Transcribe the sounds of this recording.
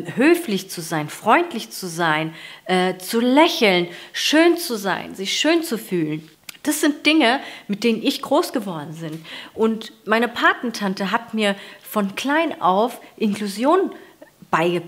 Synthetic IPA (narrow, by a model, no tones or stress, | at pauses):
høːflɪçt͡suzaɪnfʁ̥ɔʏntʰlɪçt͡suzaɪnʔɛːt͡sulɛçl̩nʃøːnt͡suza̰ɪnzɪçʃøːnt͡sufyːlən | d̥asz̥ɪnt̚d̥ɪŋəmɪt̚d̥eːnənɪçɡ̥ʁoːsɡ̥əvɔɐdn̩zɪntʔʊntmaɪnəpʰaɐtn̩tʰantəɦatmiːɐfɔnkl̥aɪnʔa̰ʊfʔɪnkl̥uzjoːnənb̥aɪɡə